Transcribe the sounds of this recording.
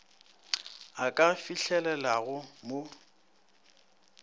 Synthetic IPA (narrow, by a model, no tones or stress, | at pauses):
akʼafiɬɛlɛlaɣʊmo